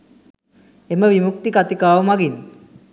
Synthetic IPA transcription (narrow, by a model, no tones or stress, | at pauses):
eməʋimuk̚t̪ikat̪ikaːʋəmaɡin